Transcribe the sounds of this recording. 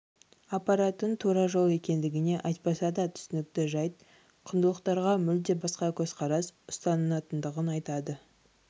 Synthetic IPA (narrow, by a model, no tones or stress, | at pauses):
ɑpɑɾat̪ːənt̪ʰoɾɑʒow̪ˠe̞kʲe̞nd̪ɪɡʲɪne̞ʔɑjt̪̚pɑsɑd̪ɑt̪ʰʏ̥sɪnɪk̚t̪ɪʒɑjt̪̚ | qʰənd̪əlˠəqt̪ɑɾʁɑmʏld̪e̞bɑsqɑkʲʰɵzqʰɑɾɑsʊst̪ɑnənɑt̪ənd̪əʁənɑjt̪ɑd̪ə